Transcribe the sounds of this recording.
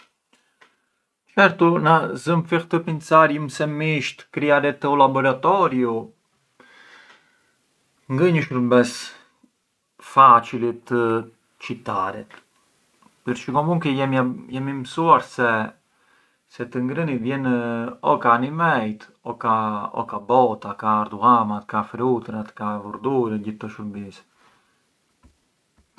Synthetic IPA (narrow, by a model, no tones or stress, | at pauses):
t͡ʃɛɾt̪unazəmfixt̪əpint͡saɾjəmsɛmiʃt̪kɾiaɾɛt̪əɔlabɔɾat̪ɔɾju | ŋɡəɲəʃuɾbɛs | fat͡ʃilit̪ə | t͡ʃit̪aɾɛ̰t̪ | pəɾt͡ʃikɔmuŋkɛɛmjɛmiməsuaɾsɛ | sɛt̪əŋɡɾənivjɛnɔkaːnimɛjt̪ɔkaɔ̰kabɔt̪akaːɾd̪uamat̪kafɾut̪ɾat̪kavuɾd̪uɾɛɟiθt̪ːɔʃəɾbis